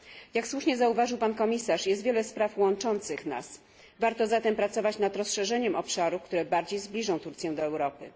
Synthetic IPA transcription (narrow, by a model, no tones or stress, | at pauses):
jakswuʂɲɛzauvaʐɨwpankɔmʲisaʂjɛst̪vʲjɛlɛspɾafwɔnt͡ʂɔnt̪sɘxna̰s | vaɾt̪ɔzat̪ɛmpɾat̪sɔvat͡ɕnad̪ɾɔsʂɛʐɛɲɛmʔɔpʂaɾuk̚t̪uɾɛbaɾd͡ʑejzblʲiʐɔ̃w̃t̪uɾt̪sʲjɛ̃w̃d̪ɔɛwɾɔpɘ